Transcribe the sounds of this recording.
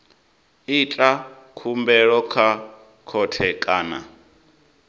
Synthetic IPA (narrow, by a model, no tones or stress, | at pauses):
it͡ɬʼa | kʰumbɛɺɔkʰa | kʰɔtʰɛkʼaːna̰